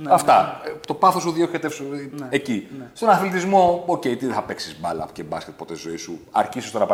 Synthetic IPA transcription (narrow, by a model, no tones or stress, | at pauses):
ɐft̪ɐt̪o̞pɐθo̞suðioket̪efsuecist̪o̞nɐθlit̪izmo̞oce̞it̪iðeθɐpe̞ksi̥zmɐlɐ̰pu̥cebɐsket̪̚po̞t̪et̪izo̞isuɐ̰ɾçisost̪onɐp